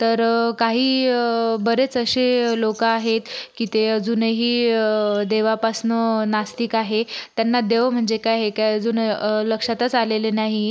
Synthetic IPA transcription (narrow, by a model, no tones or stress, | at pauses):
t̪əɾkaɦiːbəɾet͡səɕelokaaɦet̪kiːt̪eəd͡zuːnɦiː | d̪eʋapasnənast̪ikaɦet̪janːad̪eʋm̤əɳd͡zekajɦekajəd͡zuːnləkʂat̪ət͡salelenaɦi